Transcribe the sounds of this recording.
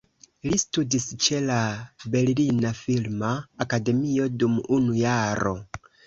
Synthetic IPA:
listudist͡ʃe̞labe̞llinafilmaːkade̞mio̞dumunujaɾo̞̰

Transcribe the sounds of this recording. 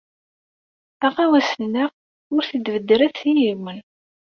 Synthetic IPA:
æʁæwæsənæʁ | ʊɾθid̪vəd̪ːɾæθsijimən

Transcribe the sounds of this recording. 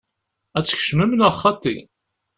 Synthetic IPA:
æt͡sːçə̥ʃməmnæχːɑt̪ḭ

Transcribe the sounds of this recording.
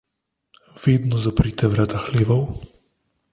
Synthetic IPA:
veːd̪nɔzapɾit̪ɛvɾad̪axleːvɔw

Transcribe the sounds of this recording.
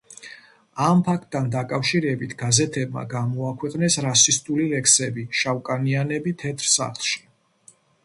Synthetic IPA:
ampʰak̚t̪ʼːand̪akʼafʃiɾɛbit̪ʰɡazɛt̪ʰɛbma̰ɡamɔakʰwɛqʼnɛsɾasist̪ʼulilɛkʰsɛbiʃawkʼanianɛbit̪ʰɛt̪ʰɾsa̰χlˠʃi̥

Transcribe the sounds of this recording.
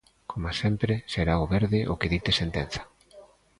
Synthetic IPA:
kʰomasempɾeseɾaoβeɾðɪʔokeðit̪esent̪en̟θḁ

